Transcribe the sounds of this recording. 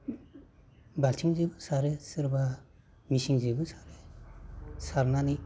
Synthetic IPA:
balt͡ʃʰiŋzebɯsaɾesɯɾba | misiŋzebɯsaɾe | saɾnani

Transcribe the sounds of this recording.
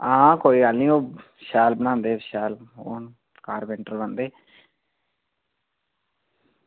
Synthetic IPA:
ãːkoːiːɡəlnĩːoː | ʃaːlbənãːnd̪eːʃaːloːn | kaːɾbɛ̃ɳʈəɾbənd̪eː

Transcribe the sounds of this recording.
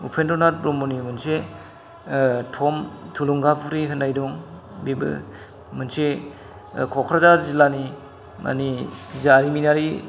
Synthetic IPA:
upʰendɔnaɾɾɔmunimɯnse | tʰɔmtʰuluŋɡapʰuɾiɦɯnːajdɔŋ | bebɯ̰ | mɯnse | kʰɔkʰɾazaɾzilani | ma̰nizaɾiminaɾi

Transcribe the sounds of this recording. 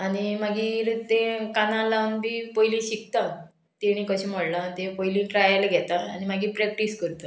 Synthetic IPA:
añimaɡiɾət̪ekanãlambiːpəjlĩɕik̚t̪a | t̪iɽ̃ĩkəɕĩm̤əɽlat̪epɔjlĩʈɾajəlɡʱɛt̪aañimaɡiːpɾɛk̚ʈiskəɾt̪ə

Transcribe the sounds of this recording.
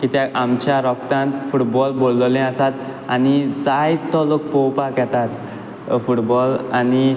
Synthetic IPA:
kit̪jaʔamt͡ɕjaɾɔkt̪ãnt̪fuʈbɔlbolːlɛ̃əsat̪ | anid͡zajt̪ɔlək̚powpakjɛt̪at̪ | fuʈbɔlani

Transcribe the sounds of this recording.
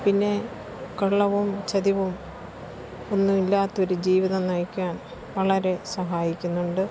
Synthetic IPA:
pinːe̞ | kɐɭːɐʋumt͡ɕɐðiʋum | onːumilːaːt̪ːo̞ɾud͡ʑiːʋiðɐnɐjkʲːaːn | ʋɐɭɐɾe̞sɐɦaːjikʲːunːuɳɖɨ

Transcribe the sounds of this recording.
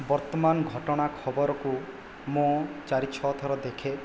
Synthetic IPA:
bɔɾt̪ɔmanɡʱɔʈɔɽ̃akʰɔbɔɾɔku | mõt͡ʃaɾitːt͡ʃʰɔt̪ʰɔɾɔd̪ekʰe

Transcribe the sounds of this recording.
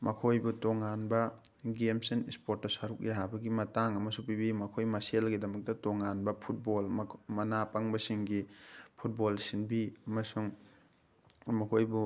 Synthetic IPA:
mɐkʰojbutoŋanbɐɡemsinispoɾtːɐsaɾuk̚ʔeɦabɐɡimɐtaŋɐmɐsupibimɐkʰojmɐselɡidɐmɐk̚tɐtoŋanbɐpʰut̚bolmmɐnapɐŋbɐsiŋɡipʰut̚bolsinbiɐmɐsuŋ | mɐkʰojbu

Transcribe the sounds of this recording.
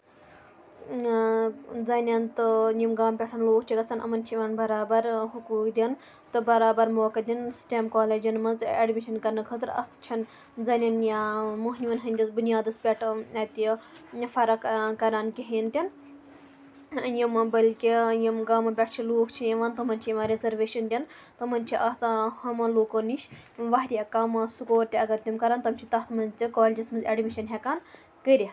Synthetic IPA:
d͡zɐnʲant̪ɨjimɡaːmpʲeʈʰɐnloːkʰt͡ʃʰiɡɐt͡sʰanʔɐ̰mɐnt͡ʃʰiʋaːnbɐɾaːbɐɾɦukuːkd̪ʲin | t̪ɨbɐɾaːbɐɾmoːkɐd̪insʈʲeːmkɔːled͡ʒinmɐt͡seɖmiʃɐnkɐɾnɐkʰət̪ɨɾɐ̰t̪t͡ʃʰɐn | d͡zɐnʲanjamuɦnʲiʋɐnɦɐnʲd̪ɐzbunijaːd̪ɐspʲeʈʰɐt̪jfɐɾɐkkɐɾaːnkʲiɦiːnt̪ʲin | jimɐbɐlʲkʲijimɡamɐpʲɐʈʰt͡ʃʰiloːkʰt͡ʃʰijiʋant̪ɐmɐnʲt͡ʃʰijimɐɾezɐɾʋeʃɐnd̪ʲɐnt̪ɐmɐnʲt͡ʃʰiʔɐt͡shɐmɐloːkoniʃʋɐɦɾʲiakɐmɐsukoːɾt̪ʲiɐɡɐɾt̪ʲimkɐɾaːnt̪ɐmt͡ʃʰit̪ɐt̪ʰmɐnzt̪ʲikoːlʲd͡ʒɐsmɐnzeɖmiʃɐnɦʲɛkaːn | kəɾʲit̪

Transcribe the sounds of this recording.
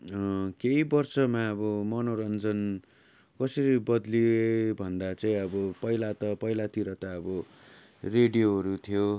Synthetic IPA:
keibʌrsʌmaʌbʌmʌnoɾʌnd͡zʌn | kʌsʌɾibʌd̪libʱʌnd̪at͡saĩʌbʌpʌilat̪ʌpʌilat̪iɾʌt̪aʌbʌ | reɖijoɦʌɾut̪ʰijo

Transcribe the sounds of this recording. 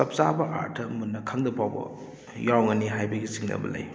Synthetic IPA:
sɐp̚sabɐʔa̰ɾtʰɐmunːɐkʰaŋdɐpʰawbɐ̰ | jawŋɐniɦajbɐɡisiŋnɐ̰bɐlɐ̰j

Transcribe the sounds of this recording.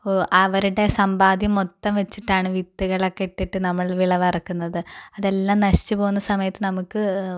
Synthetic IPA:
ʔɐʋɐɾuɽe̞sɐmbaːd̪ʱjɐmot̪ːɐmʋet͡ɕːiʈːaːɳɨʋit̪ːuɣɐɭokːeʈːiʈːɨnɐmːɐɭʋiɭɐʋɐrɐkːunːɐðɨɐðe̞lːaːmnɐɕi̥t͡ɕːɨpo̞ːɣunːɐsɐmɐjɐt̪ːɨnɐmukːɨ

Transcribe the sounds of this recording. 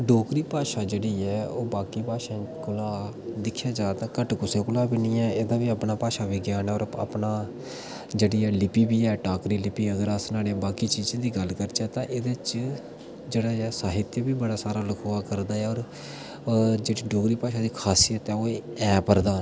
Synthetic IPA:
ɖoːkɾiːpaːʃaːd͡ʒeːɽiːɛːoːbaːkiːpaːʃãːkʊlaː | d̪ɪkʰjaːd͡ʒaːt̪aːkəʈkʊseːkʊlaːbinĩːɛːeːd̪ãːʋiːəpnaːpaːʃaːʋɪɡjaːnɛːɔːɾə̰pnaː | d͡ʒeːɽiːɛːlɪpiːbiːɛːʈaːkɾiːlɪpiːəɡəɾasnaːɽebaːkiːt͡ʃiːd͡ʒãːd̪iːɡəlkəɾt͡ʃɛːt̪ãːʔeːd̪eːt͡ʃ | d͡ʒeːɽaːɛːsaːɦɪt̪jəbiːbəɽaːsaːɾaːləkʰoːaːkəɾd̪aːɛːɔːɾ | d͡ʒeːɽiːɖoːkɾiːpaːʃaːd̪iːkʰaːsijət̪ɛːoːeɛːpəɾd̪aː

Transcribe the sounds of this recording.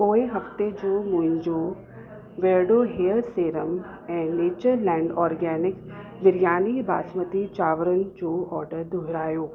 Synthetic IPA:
oːeɦɐft̪ed͡ʑoːmʊ̃ɦɪ̃ɲd͡ʑoː | ʋeːɾɖoːɦeːəɾseːɾəm | ɛ̃ːneːt͡ɕəɾlɛ̃ːɳɖɔːɾɡɛːnɪk | ʋɪɾijaːniba̰ːsmət̪it͡ɕaːʋəɾənɪ̆d͡ʑoːɔːɾɖəɾd̪ʱʊɦɪɾaːjoː

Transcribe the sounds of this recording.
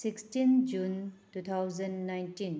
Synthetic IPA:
sikstind͡ʒuntut̪ʰawzɐnːajntin

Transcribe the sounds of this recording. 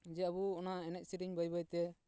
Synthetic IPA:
d͡ʒɛabuɔnaɛnɛc̚siɾiɲbajbajt̪ɛ

